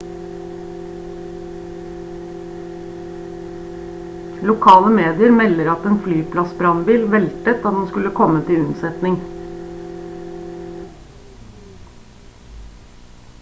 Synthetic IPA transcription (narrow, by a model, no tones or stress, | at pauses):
lʊkʰɑːləmeːd̪ɪəɾmɛləɾɑt̪eːnflyːpʰlɑsbɾɑnbiːlʋɛlt̪ət̪ɑt̪̚hunskʉləkʰɔmət̪ʰɪʉnsɛt̪nɪŋ